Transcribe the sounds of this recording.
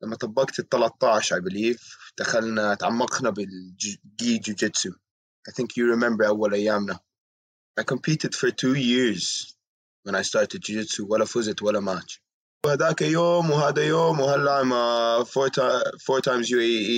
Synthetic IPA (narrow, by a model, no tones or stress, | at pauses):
lamːat̪ˤɑbːɑkt̪ɨt̪ːɑlɑt̪ˤːɑʕʃajbɪliːvd̪̥axalnat̪ʕamːɑqnabɪld͡ʒɡiːd͡ʒud͡ʒɪt̪su | ʔajθɪ̃ŋkʰjuɹɪmɛ̃mbə˞ʔawːalʔajːaːmna | ʔajkəmpʰiːt̪ɪd̪̥fəɹt̪ʰuːjɪɹz̥ | wə̃najst̪ɑːɹt̪ɪd̪̚d͡ʒud͡ʒɪt̪suwalːafʊzɪt̪walːamaːt͡ʃ | haðaːkajoːmwɦaːd̪ajoːmwhalːamafot̪afoːɹt̪ʰãjmzj